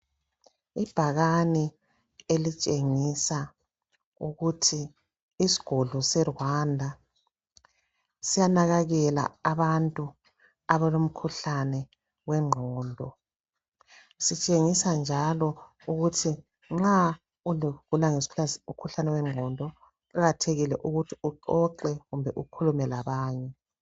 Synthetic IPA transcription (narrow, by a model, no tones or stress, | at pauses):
ib̥ʱaɣani | elit͡ʃʼeŋisa | uɣutʰiː | si̥ɡ̥ʱɔɮɔsɛrwandʱa | sijanaɣaɣɛla̰aβantʼu | aβalom̩kʰuɬanɛ | wɛŋ͡ǃʱɔːndʱɔ | sit͡ʃʼeŋisand͡ʒʱalɔ | uɣutʰi | ŋ͡ǁa | uluɣulaŋesʰukʰuɬanɛwɛŋ͡ǁʱɔndʱɔ | kaɣatʰeɣilɛʔuɣutʰiuǃɔǃɛɣumbʱɛʔukʰulumɛlaβaːɲɛ